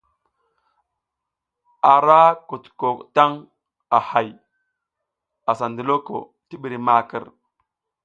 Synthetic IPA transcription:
a˨ɾa˦ku˨tko˨kta˦ŋ | a˨ha˨j | a˨sa˨ndi˨lo˦ko̰˨ | ti˦ɓi˨ɾi˨ma˦kə̰˦˨ɾ

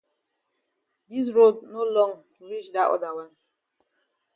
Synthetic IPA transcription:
di˦s̬ɾo˦dno˦lɔ̃˦ŋ | ɾi˦t͡ʃda˨ʔɔ̰˦da˨wa˦n

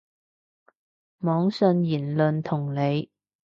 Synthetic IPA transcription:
mɔː˨˥ŋsɵ˧njiː˨˩nlɵ˨˧nt̪ʰʊ˨˩ŋle˨˧j

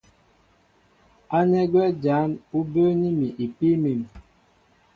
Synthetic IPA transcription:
a˦nɛ˦ɡwɛ˦d͡ʒa˨˦nu˦bə˦ni˦mi˨ʔi˨pi˦mi˨m˨

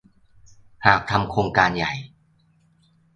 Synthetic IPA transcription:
haː˨˩k̚t̪ʰa˧mkʰɾoː˧ŋkaː˧nja˨˩j

